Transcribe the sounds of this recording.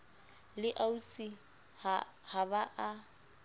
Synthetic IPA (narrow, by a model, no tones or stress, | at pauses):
lɪʔausi | habaʔa